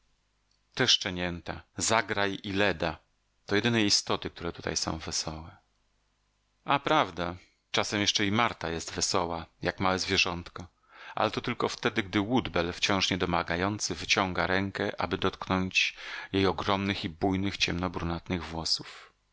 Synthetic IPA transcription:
t̪ɛʂt͡ʂɛɲɛnt̪azaɡɾajilɛd̪a | t̪ɔjɛd̪ɘnɛist̪ɔt̪ɘk̚t̪uɾɛt̪ut̪a̰jsɔ̰̃w̃vɛsɔwɛ | ʔapɾavd̪a | t͡ʂasɛmjɛʂt͡ʂɛimaɾt̪ajɛst̪vɛsɔwajakmawɛzvʲjɛʐɔnt̪kɔ | ʔa̰lɛt̪ɔt̪ɘlkɔft̪ɛd̪ɘɡd̪ɘwud̪bɛlft͡ɕɔ̃w̃ʂɲɛd̪ɔmaɡajɔnt̪sɘvɘt͡ɕɔŋɡaɾɛŋkɛʔa̰bɘd̪ɔt̪knɔɲt͡ɕjejɔɡɾɔmnɘxibujnɘxt͡ɕɛmnɔbɾunat̪nɘɣvwɔsuf

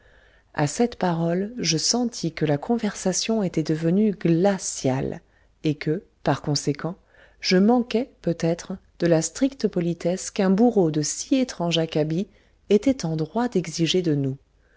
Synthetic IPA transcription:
a̰sɛt̪paʁɔlʒəsɑ̃t̪ʰikəlakʰɔ̃vɛʁsasjɔ̃et̪ɛd̪əvənyɡlasjal | ekə | paʁkɔ̃sekʰɑ̃ | ʒ̥əmɑ̃kɛpøt̪ɛt̪χd̪̥əlast̪χikt̪əpɔlit̪ɛskɛ̃buʁod̪əsiet̪χɑ̃ʒakabi | et̪ɛt̪ɑ̃d̪ʁwad̪ɛɡziʒed̪ənu

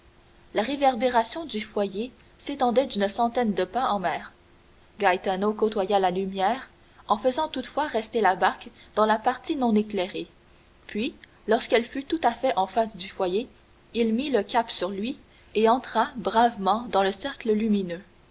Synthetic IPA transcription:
laʁevɛʁbeʁasjɔ̃d̪yfwaje | set̪ɑ̃d̪ɛd̪ynsɑ̃t̪ɛnd̪əpɛ̃ɑ̃mɛːʁ | ɡajt̪anokot̪wajalalymjɛːʁ | ɑ̃fəzɑ̃t̪ut̪fwaʁɛst̪elabaʁkd̪̥ɑ̃lapaʁt̪inɔ̃neklɛʁe | pʰɥi | lɔʁskɛlfyt̪ut̪afɛʔɑ̃fasd̪yfwaje | ilmiləkʲapsyʁlɥi | eɑ̃t̪χabʁavmɑ̃d̪ɑ̃ləsɛʁkləlyminø

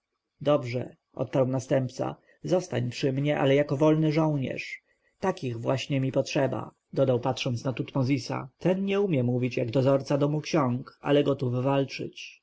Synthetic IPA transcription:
d̪ɔbʐɛ̰ | ʔɔ̰t̪̚paɾwnast̪ɛmpt̪sa̰ | zɔst̪aɲpʂɘmɲɛʔa̰lɛjakɔvɔlnɘʐɔw̃ɲɛ̰ʂ | t̪akʲiɣvwaɕɲɛmʲipɔtʂɛba̰ | d̪ɔd̪awpatʂɔnt̪snat̪ut̪mɔzʲisa̰t̪ɛnɲɛumʲjɛmuvʲit͡ɕjaɡd̪ɔzɔɾt̪sad̪ɔmukɕɔŋka̰lɛɡɔt̪uvːalt͡ʂɘ̰t͡ɕ

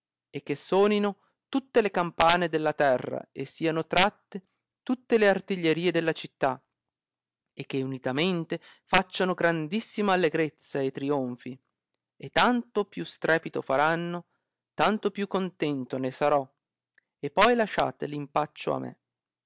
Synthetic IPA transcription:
ek̟ːesːɔːnino | t̪ut̪ːelekampaːned̪elːat̪ɛrːa̰esːiːanot̪ɾat̪ːe | t̪ut̪ːeleart̪iʎːeɾiːed̪elːat͡ʃit̪ːa | ek̟ːeunit̪ament̪e | fat͡ʃːanoɡɾand̪isːimaːlːeɡɾet̪sːaet̪ːɾioɱfi | et̪ːant̪opjust̪ɾʔɛːpit̪ofaɾanːo | t̪ant̪opjukːont̪ɛnt̪onesaɾɔ | epːɔjlaʃa̰ːt̪elimpat͡ʃːo̰a̰mḛ

